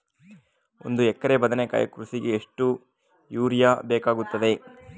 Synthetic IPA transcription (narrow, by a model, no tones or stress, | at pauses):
o̞̰nd̪uɛkːɐɾebɐd̪ɐnekɐ̰jɐ̰kɾusiɡeːʂʈu | juːɾjabɛːkaːɡut̪ːɐd̪e̞